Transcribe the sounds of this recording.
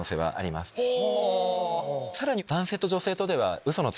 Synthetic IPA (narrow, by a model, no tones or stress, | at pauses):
oːse̞ːβa̰ʔa̰ɾʲima̰sɨ̥ | saɾaɲ̟id̪ãɰ̃se̞ːt̪o̞ʑo̞se̞ːt̪o̞d̪e̞βa̰ɯ̟so̞no̞t͡s